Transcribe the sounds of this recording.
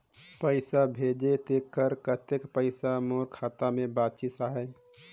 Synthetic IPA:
pəɪsabʱeːd͡ʒet̪ekːəɾkət̪ekpəɪsamoːɾkʰaːt̪amẽbaːt̪t͡ʃɪt̪saːɦɛ

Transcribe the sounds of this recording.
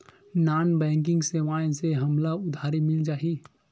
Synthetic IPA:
naːnbɛ̃ːŋk̬ɪ̃ŋɡseʋaːẽseɦɐmlaʊd̪ʱaːɾimɪld͡ʒaːɦi

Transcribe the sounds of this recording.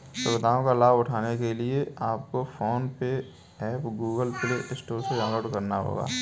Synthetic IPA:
sʊʋɪd̪ʱaːõkalaːbʊʈʰaːnekelieaːp̚kofoːnpe | ɛːpɡuːɡəlpɪleʔɪsʈoːɾseɡɐ̃ŋɡəɽkɐɾnaɦo̰ːɡa̰ː

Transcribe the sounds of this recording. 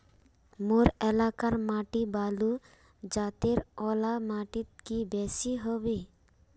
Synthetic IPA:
moɾɛlakaɾmaʈibalu | d͡ʒat̪eɾɔlamaʈit̪̚kibɛsiɦɔbe

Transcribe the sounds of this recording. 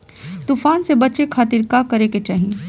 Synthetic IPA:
t̪uːfaːnsebɐtːt͡ʃekʰaːt̪iɾkakɐɾeket͡ʃaːɦĩe

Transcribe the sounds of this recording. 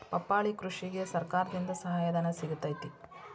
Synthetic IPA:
pɐpːaːɭikɾuʂiɡesɐɾkaːɾɐd̪ind̪ɐsɐɦaːjɐd̪ɐnɐsiɡut̪ːɐjt̪i

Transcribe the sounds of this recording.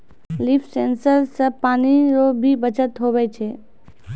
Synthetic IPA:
lifsensəɾsəpaːniɾobʱibət͡ʃət̪ɦoʋeːt͡ʃʰe

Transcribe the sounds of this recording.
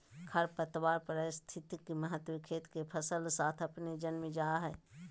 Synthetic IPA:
kʰəɾpət̪waːɾpəɾəst̪ʰɪt̪ikiməɦət̪wikʰeːt̪kepʰəsəlsaːt̪ʰɐpned͡ʒənmẽd͡ʒaːɦɛː

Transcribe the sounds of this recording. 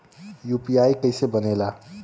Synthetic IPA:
juːpijaːikəɪsebənela

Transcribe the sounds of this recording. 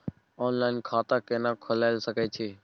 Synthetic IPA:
oːnlaːɪnkʰaːt̪aːkeːnãːkʰʊlaːɪlsəkeːt͡ʃʰeː

